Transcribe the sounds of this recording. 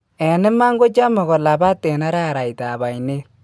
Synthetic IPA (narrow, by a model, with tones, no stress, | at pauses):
ɛ˨nɪ˦ma˦ŋɡo˦t͡ʃa˦mɔ˨ɣɔ˨la˨ba˦tːɛ˨na˦ɾaː˦˨ɾa˨jta˨ba˨jne˦l